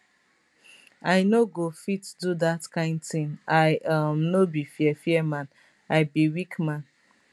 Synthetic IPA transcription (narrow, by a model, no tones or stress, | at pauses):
aɪnoɡofitdudatkãɪ̃ndtĩŋaɪʔamnobifjɛfiɛmãn | aɪbiwikmãn